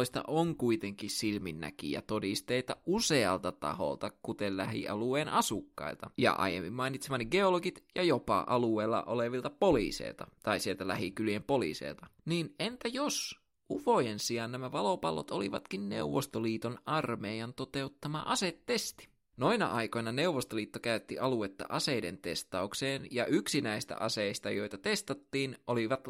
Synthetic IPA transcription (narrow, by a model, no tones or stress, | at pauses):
ist̪ɑ̰ʔoŋkuit̪eŋkissilminːæ̰kḭjæ̰t̪odist̪eit̪ɑuseɑ̰lt̪ɑt̪ɑ̰ho̰lt̪ɑkut̪ellæhḭʔɑ̰lueːnʔɑsukːɑ̰ilt̪ɑjɑ̰ʔɑ̰jḛmːḭmmɑinit̪semɑnːiɡeoloɡit̪jɑjopɑ̰ʔɑlueːlːɑ̰ʔoleʋilt̪ɑpolḭːsḛilt̪ɑt̪ɑisielt̪ælæhikyljempolḭːsḛːlt̪ɑniːnent̪æjos | ʔufojensijɑnnæmæʋɑlopɑlːo̰t̪olḭʋɑ̰t̪kinnḛuʋːost̪oliːt̪onɑrmeːjɑnt̪ot̪e̞ut̪ːɑmɑ̰ʔɑset̪ːest̪i̥ | noinɑ̰ʔɑiko̞nɑne̞uʋːost̪oliːt̪ːokæyt̪ːiʔɑluet̪ːɑ̰ʔɑseidḛnt̪ḛst̪ɑukseːnjɑʔyksinæist̪æ̰ʔɑseist̪ɑjoit̪ɑt̪est̪ɑt̪ːiːnʔoliʋɑt̪